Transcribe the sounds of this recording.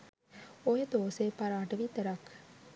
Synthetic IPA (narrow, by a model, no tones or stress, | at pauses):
ojəd̪oːseːpaɾaːʈɐʋit̪ɐɾak